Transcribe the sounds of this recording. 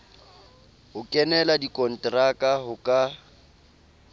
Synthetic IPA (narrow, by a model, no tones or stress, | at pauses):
hʊkʼɛnɛladikʼɔn̩tʼrakʼaɦʊkʼa